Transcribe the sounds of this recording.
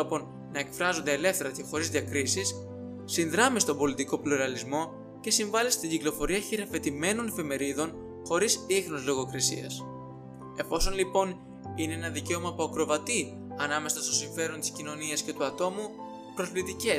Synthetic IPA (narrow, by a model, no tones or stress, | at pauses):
opo̞nː | ɐe̞kfɾɐzo̞nd̪ele̞fθe̞ɾɐce̞xo̞ɾizðiɐkɾisisː | inðɾɐmist̪o̞mbo̞lit̪iko̞pluɾɐlizmo̞ | ce̞siɱvɐlist̪iɲɟiklo̞fo̞ɾiɐçiɾɐfe̞t̪ime̞no̞ne̞fe̞me̞ɾiðo̞n | xo̞ɾisixnozlo̞ɣo̞kɾisḭɐ̰s | e̞fo̞so̞nlipo̞n | ineenɐðice̞o̞mɐpoɐkɾo̞vɐt̪i | ɐnɐme̞sɐst̪osiɱfe̞ɾo̞nt̪i̥scino̞niɐsce̞t̪uɐt̪o̞mu | pɾo̞zlit̪ice̞